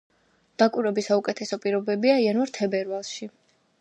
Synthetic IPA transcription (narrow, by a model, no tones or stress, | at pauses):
d̪̥akʼwiɾɛbisaukʼɛt̪ʰɛsɔpʼiɾɔbɛbiaianvaɾt̪ʰɛbɛɾvalˠʃi